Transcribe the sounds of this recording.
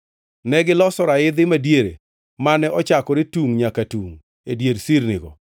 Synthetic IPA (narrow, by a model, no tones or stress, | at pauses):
nɛɡɪlɔsɔɾaɪd̪ɪmadjeɾḛ | manɛʔɔt͡ʃakɔɾɪtuŋɲakatuŋ | edjeɾsiɾnɪɡɔ̰